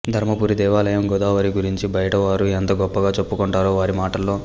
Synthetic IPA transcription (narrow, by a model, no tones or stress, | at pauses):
d̪ʱɐɾmɐpuːɾid̪ɛːʋaːlɐjɐmɡɔd̪aːʋɐɾiɡuɾiɲt͡ʃibɐjɐʈɐʋaːɾuent̪ɐɡɔpːɐɡaːt͡ʃepːukɔɳʈaːɾoːʋaːɾimaːʈɐlːo̞ː